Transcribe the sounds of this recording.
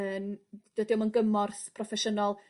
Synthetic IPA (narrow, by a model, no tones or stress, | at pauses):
ənd̥ədɪwmənɡəmɔrθpʰrɔfɛʃənɔlˠ